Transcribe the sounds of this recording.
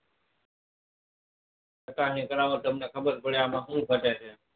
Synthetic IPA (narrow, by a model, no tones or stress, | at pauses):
ətãːɲĩːkəɾaːʋõːt̪əmnẽːkʰəbəɾpəɽjãːmãːɦũːbʱəʈẽːt̪ʰeː